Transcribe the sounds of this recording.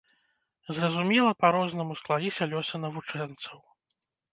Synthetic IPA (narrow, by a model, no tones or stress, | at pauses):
zrɐzumʲɛlˠɐpaɾɔznɐmusklˠavʲisʲɐlʲɔsʲɐnɐvut͡ʂɛnt̪sɐw